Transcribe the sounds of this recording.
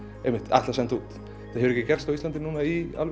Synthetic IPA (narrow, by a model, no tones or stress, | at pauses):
emːɪht̪ɛ̰ht̪lasɛnt̪uːt̪ | θahɛvʏɾɛcːɪcɛr̥st̪awislant̪ɪnuːnaia̰lv